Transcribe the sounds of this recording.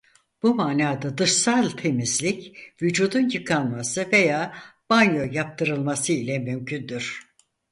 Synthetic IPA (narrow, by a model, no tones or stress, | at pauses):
b̥umaːnaːd̪ad̪ɯʃsalˠt̪ʰe̞mizlʲicvyd͡ʒuːd̪unjɯkʰanmasɯve̞jaːb̥anjojap̚t̪ʰɯɾɯlˠmasɯilʲɛmymcʰynd̪yɾ̥